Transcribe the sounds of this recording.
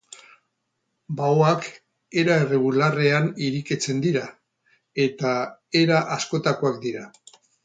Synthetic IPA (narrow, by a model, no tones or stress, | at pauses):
baoak | e̞ɾae̞re̞ɣ̞ulare̞aniɾiket͡se̞nd̪iɾa | e̞t̪ae̞ɾaʔasko̞t̪akoakd̪iɾa